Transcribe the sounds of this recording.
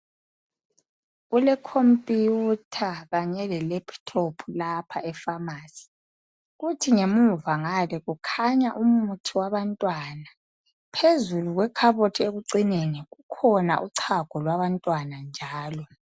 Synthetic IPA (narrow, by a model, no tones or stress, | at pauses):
ɣulɛkʰompʼjijutʰaɣaɲɛlɛlɛpʰtʰopʰulapʰaʔɛfamaːsi̥ | ɣutʰiŋemuvaŋalɛɣukʰaɲaʔumutʰiwaβantʼwana | pʰezuluɣwɛkʰaβotʰieɣuǀineniɣukʰɔna̰ʔuǀʰaɡ̥ʱɔlwaβantʼwanand͡ʒʱaːlɔ